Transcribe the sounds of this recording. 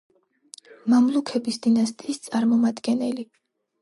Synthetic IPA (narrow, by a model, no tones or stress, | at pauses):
mamlˠukʰɛbisd̪inast̪ʼiːst̪sʼaɾmɔmad̪ɡɛnɛli